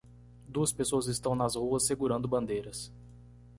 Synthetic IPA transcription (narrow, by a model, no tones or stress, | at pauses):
d̪uɐspesoɐzɪst̪ɐ̃w̃nɐzhuɐsːeɡuɾɐ̃nd̪ʊbɐ̃nd̪ejɾɐs